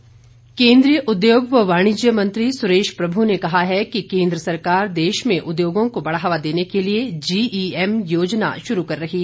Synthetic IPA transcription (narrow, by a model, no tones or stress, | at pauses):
kẽːnd̪ɾijəʔʊd̪joːɡʋoʋaːɽ̃ɪd͡ʒjəmɐ̃nt̪ɾisʊɾeːʃpɾɐbʱunekɐɦaɦɛkikẽːnd̪ɾəsɐɾkaːɾd̪eːʃmẽʔʊd̪joːɡõkobɐɽaʋad̪eːnekelied͡ʒiːiːɛmjoːd͡ʒna̰ʃʊɾukɐɾːɐɦiː